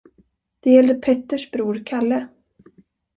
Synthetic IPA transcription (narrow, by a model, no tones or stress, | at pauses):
d̪̥ɛjɛld̪əpʰɛt̪ːəʂbɾuːɾkʰalːə